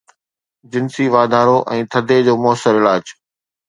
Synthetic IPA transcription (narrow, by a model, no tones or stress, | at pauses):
d͡ʑɪnsiʋaːd̪ʱaːɾoʔɛ̃ːt̪ʰɐd̪ʱed͡ʑoːmʊəsəɾɪlaːd͡ʑ